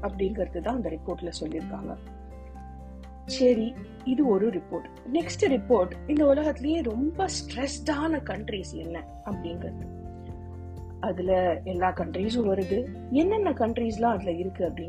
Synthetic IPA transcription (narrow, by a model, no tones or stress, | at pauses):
ɐpːɐɽɪnɡɐɾɐðɯt̪ãːɐnd̪ɐɾɪpoːɾʈːɪlɐsɔlːɪɾɯkːa̰ːŋɡɐ̰ | sɐɾi | ɪðɯɔɾɯɾɪpːoːɾʈ | nɛksʈɯɾɪpːoːɾʈɪnd̪ɐʊlɐɣɐt̪ːɪlɐjeːɾɔmbɐsʈɾɛsʈaːnɐkɐɳʈɾiːsɛnːɛ | ɐpːɐɽɪnɡɾɐɾɐðɯ | ɐðɪlɐɛlːaːkɐɳʈɾiːs̬ʊ̃ʋɐɾɯðɯ | ɛnːɐnːɐkɐɳʈɾiːs̬lãːɐðɪlɐɪɾɯkːɯɐpːɐɽɪn